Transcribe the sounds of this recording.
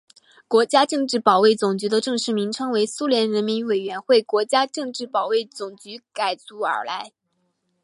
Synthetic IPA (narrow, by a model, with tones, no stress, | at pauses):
kwɔ˧˥t͡ɕja˥ʈ͡ʂɤ˥˧ŋʈ͡ʂɻ̩˥˩pɑ˨˩ʊwe˥˩ɪt͡sʊ˨˩ŋt͡ɕy˧˥d̪ə˧ʈ͡ʂɤ˥˧ŋʂɻ̩˥˩mi˧˥ŋʈ͡ʂʰɤ˥ŋwe˧˥ɪsu˥ljɛ˧˥nɻə˧˥nmi˧˥nwe˨˩ɪɥɛ˧˥nxwe˥˩ɪkwɔ˧˥t͡ɕja˥ʈ͡ʂɤ˥˧ŋʈ͡ʂɻ̩˥˩pɑ˨˩ʊwe˥˩ɪt͡sʊ˨˩ŋt͡ɕy˧˥ka˨˩ɪt͡su˧˥ə̰˞˨˩la˧˥ɪ